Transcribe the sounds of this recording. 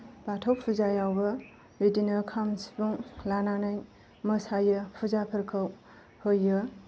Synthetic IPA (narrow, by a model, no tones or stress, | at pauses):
batʰɐwpʰuzajawbɐ | wedinɐɾkʰamsi̥buŋlananaj | mɐsajɐpʰuzapʰɐɾkʰaw | hojːɯ